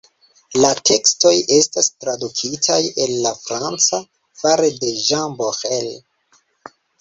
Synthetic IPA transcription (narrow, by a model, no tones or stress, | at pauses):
latʰe̞ksto̞je̞stastɾadukʰitʰaje̞lːafɾant͡sa | faɾede̞ʒanboxel